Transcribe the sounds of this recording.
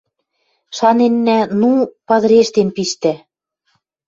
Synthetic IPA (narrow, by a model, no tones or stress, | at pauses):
ʃɑnenːænupɑðɾeʃt̪empiʃt̪ɘ̆